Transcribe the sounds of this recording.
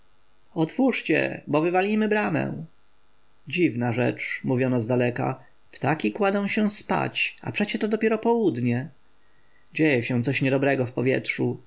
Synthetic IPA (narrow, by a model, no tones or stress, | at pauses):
ɔt̪fuʂt͡ɕɛ̰bɔvɘvalʲimɘbɾamɛ̰̃ | d͡ʑivnaʐɛ̰t͡ʂmuvʲjɔnazd̪alɛka̰ | pt̪akʲikwad̪ɔ̃w̃ɕɛw̃spa̰t͡ɕa̰pʂɛt͡ɕɛt̪ɔd̪ɔpʲjɛɾɔpɔwud̪ɲɛ | d͡ʑejɛɕɛ̃t̪sɔɕɲɛd̪ɔbɾɛɡɔfpɔvʲjɛ̰tʂu